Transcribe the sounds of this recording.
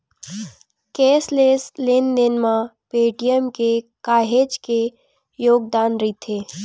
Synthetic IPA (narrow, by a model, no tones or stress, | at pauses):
keːsleːslend̪ɪnmãpeːʈijəmkekaːɦeːd͡ʒke | joːɡ̚d̪aːnɾit̪ʰeː